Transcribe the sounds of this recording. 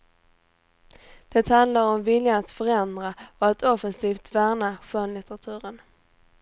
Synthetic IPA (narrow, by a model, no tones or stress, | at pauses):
d̪̥ɛt̪hand̪laɾɔmvɪljaat̪fœɾɛnd̪ɾaɔat̪ʰɔfənsiːft̪væːɳaɧɔnlɪt̪əɾat̪ʰʉ̟ːɾən